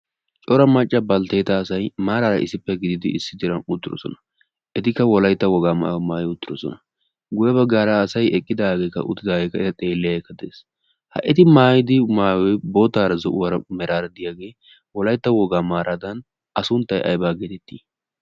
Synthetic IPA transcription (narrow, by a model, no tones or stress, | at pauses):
t͡ʃʼɔɾɐmɐt͡ʃʼːɐbɐlt̪ejt̪ɐːsɐjmaːɾaːɾɐʔɪ̰sɪpːɛɡɪd̪ɪd̪ɪɪsːɪd̪ɪɾɐnʊt̪ːɪdɔ̰sɔ̰nɐ | ʔɛd̪ɪkːɐwɔlɐjt̪ːɐwɔɡaːma̰ːjɔmaːjɪʊt̪ːɪdɔsɔ̰nɐ | ɡʊjɐbɐɡːaːɾɐːsɐjɛkʼːɪd̪aːɡe̞ːkːɐ̰ʔʊ̰t̪ːɪd̪aːɡeːkːɐɪt̪ɐt̪ʼe̞ːlːɪjakːɐd̪ḛːs | hɐ̰ʔɛt̪ɪmaːjɪd̪ɪmaːwɛbo̞ːt̪aːɾɐzɔʔʊwɐɾɐmɛɾʔaːɾɐd̪ɪjaːɡe̞ː | wɔlɐjt̪ːɐwɔɡaːmaːɾʔad̪ɐn | ɐsʊnt̪ːɐjʔɐ̰jbaːɡeːt̪ɛt̪ːḭː